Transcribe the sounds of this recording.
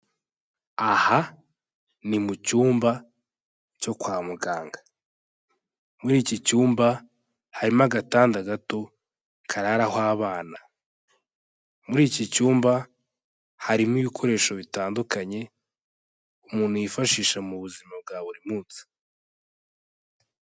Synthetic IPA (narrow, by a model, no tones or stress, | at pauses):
aha | nimucuːmba | co̞kwaːmuɡaːŋɡa | muɾiːcicuːmba | haɾimaɡataːndaɡato̞ | kʰaɾaɾahwaβaːna | muɾiːcicuːmba | haɾimiβikʰo̞ɾe̞ːʃo̞βitaːndukaɲe̞ | umuːnhujifaʃiːʃamuβuzimab̚ɡaːβuɾimuːnt͡si̥